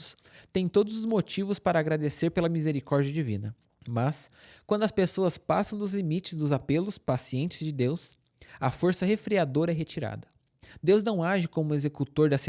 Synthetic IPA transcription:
s | t̪ẽj̃t̪od̪ʊzʊzmot͡ʃivʊspaɾɐːɡɾad̪eseɾpelɐmizeɾikɔɾd͡ʒiɐd͡ʒivḭ̃nɐ | mɐskwɐ̃nd̪ʊɐspesoɐspasɐ̃w̃d̪ʊzlimit͡ʃɪzd̪ʊzapelʊspasiẽnt͡ʃɪzd͡ʒɪd̪ews | ɐfoɾsɐɦefɾiad̪oɾɐɛɦet͡ʃiɾa̰d̪ɐ | d̪ewznɐ̃w̃aʒɪkõmʊezekut̪oɾd̪ɐs

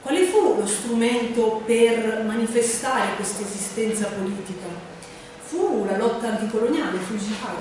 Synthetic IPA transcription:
kwalefulost̪ɾumɛnt̪opermanifest̪aɾekwest̪ezist̪ɛnt̪sapoliːt̪ika | fulalɔt̪ːaːnt̪ikolonjaːlefuzifa

